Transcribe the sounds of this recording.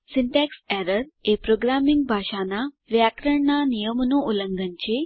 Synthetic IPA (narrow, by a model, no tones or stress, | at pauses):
sinʈɛksɛɾəɾepɾoɡɾamiŋɡbʱaʂana | ʋjakɾəɳɳanijəmnoʔuləŋɡənt͡ɕe